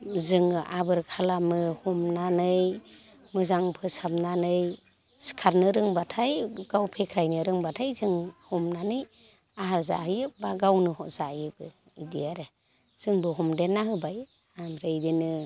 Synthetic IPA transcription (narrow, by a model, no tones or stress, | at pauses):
zɯŋʔabɯɾkʰalamɯhɔmnanɯj | mɯzaŋpʰɯsapmnanɯj | skʰaɾnɯɾɯŋbatʰajɡ̥awpʰekʰɾajnɯɾɯŋbatʰajzɯŋhɔmnanɯj | aɦaɾza̰hɯjɯbaɡawnɯhɔz̥ajɯbɯ | idijaɾɯ | z̥ɯŋbɯɦɔmdenːaɦɯbaj | amɾɯjdenɯ